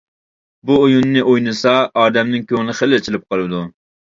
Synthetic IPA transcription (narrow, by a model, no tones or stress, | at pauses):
buojunːɨʔojnɨsɑɑːd̪ɛmnɪŋkʲʰøŋnɪχəlɪt͡ʃʰɪlɪp̚qʰɑlˠɨd̪u